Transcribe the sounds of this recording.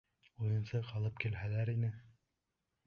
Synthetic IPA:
ujɤ̆nsɤqɑlˠɤpkilɦælæɾinɘ

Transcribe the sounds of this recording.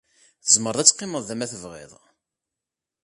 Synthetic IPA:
θəzməɾˤðˤæt͡sːqːɪməðˤðæmæθəvʁɪ̰ðˤ

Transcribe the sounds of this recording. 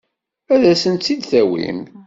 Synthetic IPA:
æðæsənt̪ːid̪θæwḭm

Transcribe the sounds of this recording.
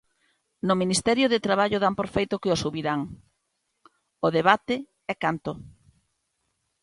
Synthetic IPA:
nʊminist̪ɛɾjʊðɪt̪ɾaβaʎʊðampoɾfejt̪ʊkɪosuβiɾaŋ | oðeβ̞at̪ɪ | ɛkant̪o

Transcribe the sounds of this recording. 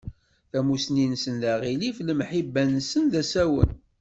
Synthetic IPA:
θæmusninsənðæʁilifləmħibːænsənðæsæwə̰n

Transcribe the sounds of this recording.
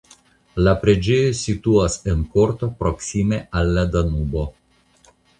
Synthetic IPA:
lapɾed͡ʒejosit̪uasenkoɾt̪o̞pɾoksimeʔalːad̪anubo̞

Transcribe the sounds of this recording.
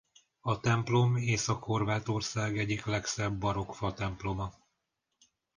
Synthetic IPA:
ɒt̪ɛmplo̞meːsɒkho̞rvaːt̪o̞rsaːɡɛɟiklɛksɛbːɒɾo̞kfɒt̪ɛmplo̞mɒ

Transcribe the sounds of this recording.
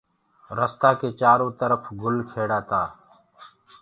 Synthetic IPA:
ɾəst̪aːkeːt͡ʃaːɾõːt̪əɾəfʰɡʊlkʰeːɽaːt̪aː

